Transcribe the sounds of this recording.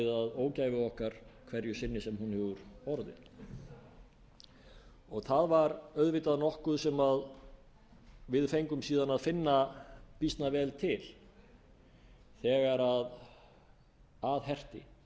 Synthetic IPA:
ɪðaðoːwcaːjvɪɔhkaɾ̥kʰvɛɾjʏsɪnːɪsɛmhunhɛvʏɾɔɾðɪ̰n | ɔɣθaðvaɾœðvɪːt̪aðnɔhkʏðsɛmað | vɪðfejŋkʏmsiːðanaðfɪnːapist̪navɛːlt̪ʰɪl | θɛɣaɾað | aðhɛr̥t̪ɪ̰

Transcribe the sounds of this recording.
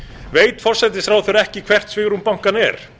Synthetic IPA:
veːjt̪fɔr̥sɛt̪̬ɪsθɾawθœɥɾɛhcɪkʰv̥ɛr̥t̪svɪɣɾumpawŋ̥kanɛ̰ɾ̥

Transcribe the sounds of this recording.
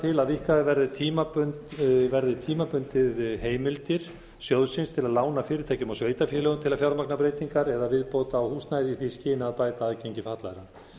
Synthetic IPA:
t̪ʰɪlaðvihkaðɪvɛɾðɪt̪ʰiːmapʏnt̪vɛɾðɪt̪ʰiːmapʏnt̪ɪðheːjmɪlt̪ɪɾ̥ | sjɔwðsɪnst̪ʰɪlaðlaːwnafɪːɾɪt̪ʰajcʏmawsveːjt̪afjɛlɛɣʏmt̪ʰɪlaðfjawɾmaknapɾeːjt̪iŋkaɾɛðavɪðpoːt̪aːwhuːsnajðɪiθiscɪːnɪaðpaːjt̪aːðcejɲcɪfaht̪laðɾa

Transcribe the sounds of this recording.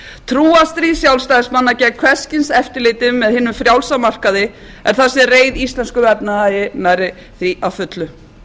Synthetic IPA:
t̪ʰɾuːast̪ɾisjawlst̪aːjɪsmanːacɛkʰvɛscɪnsɛft̪ɪɾlɪːt̪ɪmːɛðhɪnːʏmfɾjawlsamar̥kaðɪ | ɛ̰ɾ̥θasjɛreːjðist̪lɛnskʏvɛpnaajɪnajɾɪ | θɾiʔawfʏt̪lʏ

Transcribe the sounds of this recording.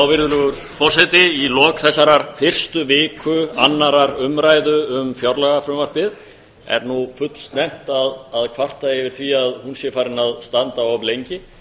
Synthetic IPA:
awvɪɾðʏlʏɣʏɾ | fɔr̥sat̪ɪilɔːkθɛsːaɾaɾfɪr̥st̪ʏvɪːkʰʏanːaɾaɾʏmɾajðʏʏmfjawɾlɛɣafɾʏmvar̥pɪð | ɛ̰ɾnufʏt̪l̥st̪nɛm̥t̪aðaðkʰvar̥t̪aɪvɪɾ̥θviaðhunsjɛfaːɾɪnaðst̪ant̪aɔplejɲcɪ

